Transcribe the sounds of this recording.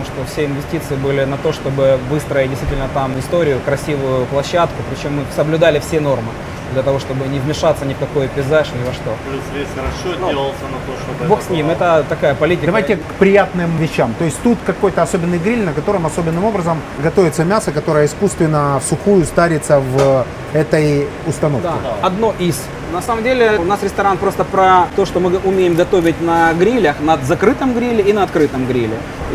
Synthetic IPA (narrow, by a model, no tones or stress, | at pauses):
ʂt̪ofsʲeɪnvʲɪsʲtʲit̪sɨɪbɨlʲɪnɐt̪o̞ʂt̪o̞bɨvɨst̪ɾəjɪt̚ʲdʲɪst̪vʲitʲɪlʲnət̪amɪst̪o̞ɾʲɪjʊkɾɐsʲivʊjʊplˠɐɕːat̪kʊpɾʲɪt͡ɕo̞mːɨsəblʲʊd̪alʲɪfsʲeno̞rmɨ | d̪lʲɐt̪ɐvo̞ʂt̪o̞bɨnʲɪvmʲɪʂat̪sənʲɪfkɐkojʊpʲɪzaʂnʲɪvɐʂt̪o̞ | eɾɐʂelˠəlˠsʲənɐtoʂ | boxsʲnʲimɛt̪ət̪ɐkajəpɐlʲitʲɪd̪ɐvajtʲɪkpɾʲɪjat̪nɨmvʲɪɕːamt̪o̞jɪsʲtʲt̪ut̪kɐko̞jt̪əɐso̞bʲɪnːɨjɡɾʲilʲnəkɐt̪o̞ɾɨmɐso̞bʲɪnːɨmo̞bɾəzəm | ɡɐt̪ovʲɪt̪səmʲasəkɐt̪o̞ɾəjəɪskust̪vʲɪnːəfsʊxujʊst̪aɾʲɪt̪səv | ɛt̪əj | ʊst̪ɐno̞fd̪kɪ̰ɐd̪no̞ʔis | nɐsaməmdʲelʲɪʊnasɾʲɪst̪ɐɾanpɾo̞st̪əpɾɐt̪o̞ʂt̪omɨʔʊmʲejɪmɡɐt̪o̞vʲɪt̚ʲnɐɡɾʲilʲəxnɐd̪zɐkɾɨt̪əmɡɾʲilʲɪinəɐt̪kɾɨt̪əmɡɾʲilʲɪ̰